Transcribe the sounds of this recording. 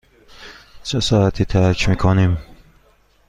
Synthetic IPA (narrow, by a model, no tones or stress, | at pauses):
t͡ʃʰesɒːæt̪ʰiːt̪ʰæcʰmikʰonim